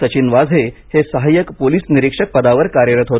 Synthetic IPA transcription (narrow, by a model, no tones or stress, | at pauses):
ət͡ɕinʋad͡zʱɦehesəɦajəkpoliːsniɾikʂək̚pəd̪aʋəɾkaɾjəɾət̪ɦot̪